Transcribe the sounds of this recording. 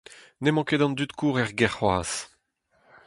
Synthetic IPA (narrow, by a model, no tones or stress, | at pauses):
nemɑ̃ked̪ɑ̃nd̪yt̪kʰuːʁɛʁɡɛʁwaːs